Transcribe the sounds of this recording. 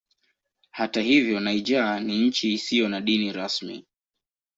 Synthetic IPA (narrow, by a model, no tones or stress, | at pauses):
hatahivjɔnaid͡ʒaːniɲ̩t͡ʃiːsijɔnaɗiniɾasmḭ